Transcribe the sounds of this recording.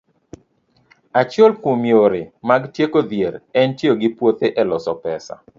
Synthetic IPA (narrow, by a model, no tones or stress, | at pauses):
at͡ʃolkumjoɾɪmaɡtjekod̪jeɾɛntjoɡɪpwot̪eʔɛlɔsɔpɛsa̰